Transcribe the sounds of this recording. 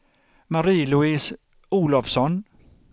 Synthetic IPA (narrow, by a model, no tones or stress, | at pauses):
maɾiːlʊɪːs | uːlɔfsɔn